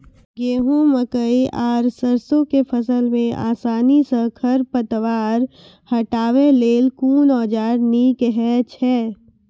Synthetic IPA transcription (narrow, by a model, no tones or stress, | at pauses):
ɡeːɦõməkəiʔaːɾsəɾsõkepʰəsəlmẽa̰ːsaːnisə̃kʰəɾpət̪ʋaːɾ | həʈaːʋeleːlkuːnɔːd͡ʒaːɾnikɦɛt͡ʃʰɛː